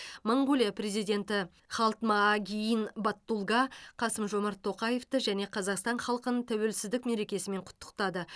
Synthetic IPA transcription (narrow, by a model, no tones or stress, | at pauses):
mɑɴɡulʲijapre̞zijd̪e̞nt̪ɪ | χɑlˠt̪mɑɡʲijinbɑt̪ːulˠɡɑqʰɑsəmʒo̞mɑɾt̪ʰːo̞qɑje̞ft̪əʒæne̞qʰɑzɑqst̪ɑɴχɑlˠqənənt̪ʰæwe̞lsɪzd̪ɪkme̞ɾe̞kʲe̞sɪme̞ɴqʰʊ̥t̪ːə̥qt̪ɑd̪ə